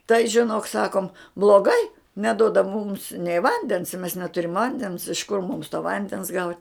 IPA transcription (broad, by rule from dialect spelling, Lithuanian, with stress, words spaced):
tɐɪ ʒʲɪˈnoːk ˈsɑːkoːm blˠoːˈɡɐɪ nʲɛˈdoːdɐ mʊms nʲɛɪ ˈʋɐnʲdʲɛns mʲɛs nʲɛˈtʊrʲɪm ˈʋɐnʲdʲɛns ɪʃ kʊr mʊms toː ˈʋɐnʲdʲɛns ɡɐʊtʲ